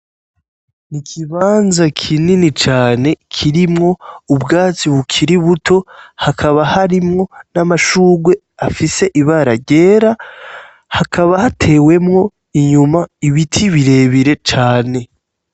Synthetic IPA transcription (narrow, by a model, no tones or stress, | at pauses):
nikʰiβaːnzakʰininit͡ʃaːne̞kʰiɾimŋo̞ubɡaːt͡siβukʰiɾiβutʰo̞hakʰaβahaɾimŋo̞namaʃuːɡwe̞ | afise̞ʔiβaɾaɾɟe̞ːɾa | hakʰaβahatʰe̞ːwe̞mŋo̞ | iɲumaiβitʰiβiɾe̞ːβiɾe̞t͡ʃaːne̞